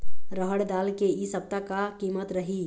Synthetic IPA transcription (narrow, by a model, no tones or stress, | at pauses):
ɾəɦəɽd̪aːlkeisəb̚t̪akakimət̪ɾəɦi